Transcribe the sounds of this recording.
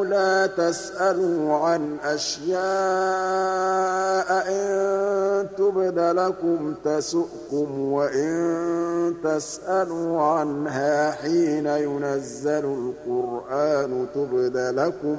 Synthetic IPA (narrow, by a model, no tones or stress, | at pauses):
laːt̪asʔaluːʕanʔaʃjaː | ʔʔɪn | t̪ʊbd̪alakʊmt̪asʊʔkʊmwaʔɪnnt̪asʔaluːʕanɦaːħiːnajʊnazːalʊlqʊɾʔaːnʊt̪ʊbd̪alakʊm